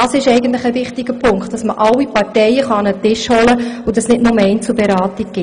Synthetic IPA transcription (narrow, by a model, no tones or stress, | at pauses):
ɑsɪʃɛɪɡən̩tləχəvɪχtɪɡəpʰʊŋkχt̚ɑsməʔɑwːipɑɾtɛɪəχɑɑnətɪʃhɔləʊdɑsnɪdnʊməɛɪnt͡subɛɾɑːtiɡ̚ɡ̥ɪ